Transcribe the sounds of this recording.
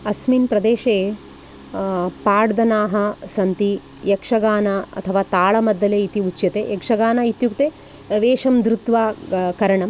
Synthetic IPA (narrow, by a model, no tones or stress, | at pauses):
ɐsminpɾɐd̪eːʃeː | paːɽd̪ɐnaːɦɐsɐnt̪i | jɐkʂɐɡaːnɐɐ̰t̪ʰɐʋaːt̪aːɭɐmɐd̪ːɐleːit̪iut͡ʃːjɐt̪ejɛkʂɐɡaːnɐit̪jukt̪eː | ʋeːʂɐmd̪ɾut̪ʋaːkɐɾɐɳɐm